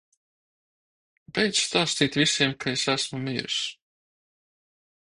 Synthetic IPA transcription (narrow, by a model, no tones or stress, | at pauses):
bɛjt̪sst̪aːst̪iːt̪visiɛmkʰaesæsmumiːɾs